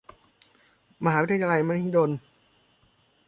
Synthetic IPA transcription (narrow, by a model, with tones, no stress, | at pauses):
ma˧ɦaː˨˦wt̪ʰa˧jaː˧la˧jma˧˥nhiː˧˥do˧n